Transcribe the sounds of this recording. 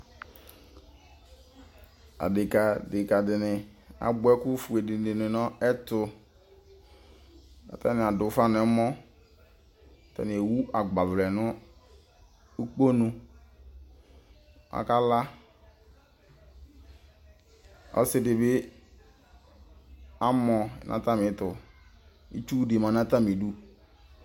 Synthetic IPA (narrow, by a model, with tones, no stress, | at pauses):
a̰˨dɪ˨ka˨dɪ˨ka˨dɪ˨nɪ˨a̰˨bɛ˦ku˦fu˨e˨dɪ˨e˨nɪ˨nɔ˦ɛ˦tʊ˨ | a̰˨ta˦nɪ˨a˨dʊ˨˦fa˦n˨ɛ˨˦mɔ˦˨ | ta̰˨n˨e˨wu˦a˨ɡ͡ba˨vlɛ˨nʊ˦ | i˦k͡po˦nũ˨ | a̰˨ka˦la˦ | ɔ̰˦sɪ˦dɪ˨bɪ˦ | a˦mɔ̰˨nʔã̰˦ta˦mɪ˨˦tʊ˨ | i˦t͡ʃu˦de˨ma˨˦na˦ta˦mi˨du˦